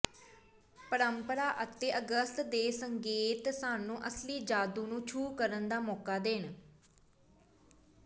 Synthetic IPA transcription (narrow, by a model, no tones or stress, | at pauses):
pəɾəmpəɾaːʔət̪eːʔəɡəst̪d̪eːsəŋɡeːt̪saːnũːʔəsliːd͡ʒaːd̪ũːnũːt͡ʃʰuːkəɾənd̪aːmɔːkaːd̪eːn